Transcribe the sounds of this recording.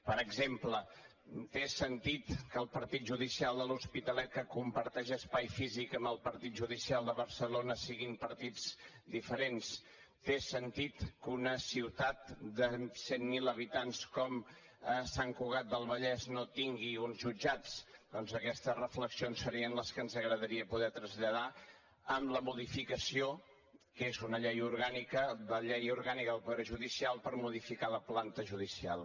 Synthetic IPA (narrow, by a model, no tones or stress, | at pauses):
pəɾəɡzemplə | t̪esənt̪it̪kəlˠpəɾt̪it̪̚ʒuðisialˠd̪əluspit̪əlɛt̪̚kəkumpəɾt̪ɛʒəspajfizikəmbəlˠpəɾt̪it̪̚ʒuð̞isialˠd̪əβəɾsəlonəsiɣimpəɾt̪id͡z | d̪ifəɾens | t̪esənt̪it̪kunəsiwt̪at̪̚d̪əsenmiləβit̪anskɔm | əsaŋkuɣat̪̚d̪əlˠβəʎɛznot̪iŋɡiunzʒud͡ʒat͡sd̪̥ɔnzəkɛst̪əzrəfləksionsːəɾiənləskənzəɣɾəðəɾiəpuðɛt̪ɾəzʎəða | əmləmuðifikəsio | kezunəʎejuɾɣanikəðəʎejuɾɣanikəðəlˠpuðɾeʒuðisialˠpəɾmuðifikaləplant̪əʒuðisia̰lˠ